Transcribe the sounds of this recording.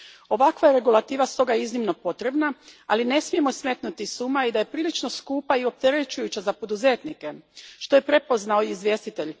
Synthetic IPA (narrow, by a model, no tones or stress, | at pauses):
o̞ʋakʋajeɾe̞ɡulat̪iːʋast̪o̞ɡajeiznimno̞po̞t̪ɾe̞bnaaline̞smije̞mo̞sme̞t̪nut̪isuːmaid̪aje̞pɾiːlit͡ʃno̞skuːpaio̞p̚t̪eɾet͡ɕujut͡ɕazapo̞d̪uze̞ːt̪nike̞ʃt̪o̞je̞pɾe̞po̞znaoiizʋje̞ːst̪it̪e̞ʎ